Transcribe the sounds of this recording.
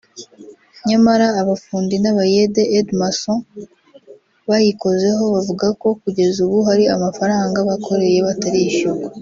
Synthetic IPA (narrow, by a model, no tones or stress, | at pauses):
ɲamaɾaːβafuːndinaβajedeʔedmaso | βajiko̞ze̞ɦo̞βavuɡako̞kuɟe̞zuβuɦaɾiamafaɾaːŋɡaβakʰo̞ɾe̞je̞βataɾiʃuɡa